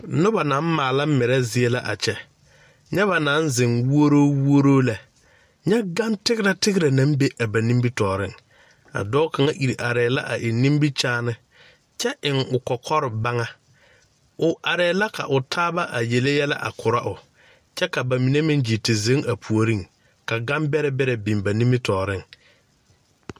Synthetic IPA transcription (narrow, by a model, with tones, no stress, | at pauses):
nʊ˦ba˨nã˨˦m˦maː˨la˦mɪ˨ɾɛ˦zɪ˦e˦la˦ʔa̰˨t͡ʃɛ˨ | ɲɛ˦βa˨nã˨˦nzɪ˨ŋwu˦o˦ɾoː˦wu˦o˦ɾoː˦la˨ | ɲɛ˦ɡa˦mtɪ˦ɡɪ˦ɾa˨tɪ˦ɡɪ˦ɾa˨nã˦mbe˦ʔa˨ba˨nĩ˦mbi˦tɔː˨ɾɪ˦ŋ | a̰˨dɔ˦ka˨ŋa˦ʔi˨ɾʔa˨ɾɛː˨la̰˦ʔa˨ʔɪ˨nĩ˦mbi˦t͡ʃaː˦nɪ˦ | t͡ʃɛ˦ʔɪ˨ŋʊ˨kɔ˨kʰɔ˦ɾɪ˨ba˦ŋa˦ | ʊ˨ʔa˨ɾɛː˨˦la˦ka̰˨ʔʊ˨tʰaː˦ba˦ʔa˨je˨le˦jɛ˦la̰˦ʔa̰˨kʰʊ˨ɾa˦ʔʊ˨ | t͡ʃɛ˦ka˨ba˨mi˨ne˦mɪ̃˦nd͡ʒi˨tɪ˨ze˨˦ŋa˨pʰu˨o˨ɾi˦˨ŋ | ka˨ɡa˦mbɛ˦ɾɛ˦bɛ˦ɾɛ˨bi˨mba˨nĩ˦mbi˦tʰɔː˨ɾɪ˦ŋ